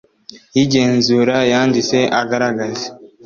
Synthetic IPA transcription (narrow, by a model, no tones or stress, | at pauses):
jiɟeːnzuːɾajaːndiseʔaɡaɾaɡaze